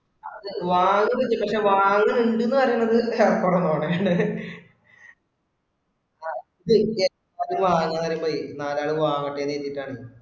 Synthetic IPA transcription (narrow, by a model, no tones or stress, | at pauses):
ɐðɨʋaːŋːɨpɐt͡ɕːɨpɐkʂe̞ːʋaːŋːɨmiɳɖunːɨpɐɾinːɐðɨkurɐnːoːɳɨjaːɳɨ | aːiðɨkːe | ɐðumʋaːɲaːnːɐrijumboːinaːlaːɭuʋaːŋɐʈːeːnːeːt̪ːiʈːaːɳɨ